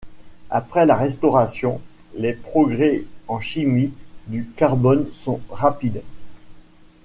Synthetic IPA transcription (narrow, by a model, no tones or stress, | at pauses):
a̰pχɛlaʁɛst̪ɔʁasjɔ̃ | lepχɔɡʁɛɑ̃ʃimid̪ykaʁbɔnsɔ̃ʁapid̪